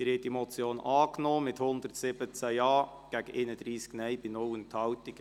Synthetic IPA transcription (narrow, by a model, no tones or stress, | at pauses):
ɪɾhɛtd̥imɔt͡sjoːnʔɑːknoːmɪthʊnd̪əɾtsɪbət͡sæɑː | ɡ̥æɡ̥əʔeɪnədɾiːsknɛjbɪnɔwəntʰɑwt̪ɪɡ